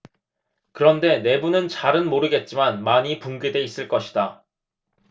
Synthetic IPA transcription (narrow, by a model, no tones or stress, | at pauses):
kɯɾʌnde̞ne̞bunɯnt͡ɕaɾɯnmoɾɯɡe̞t̚t͡ɕ͈imanmaɲipuŋɡede̞is͈ɯɭk͈ʌɕʰi̥da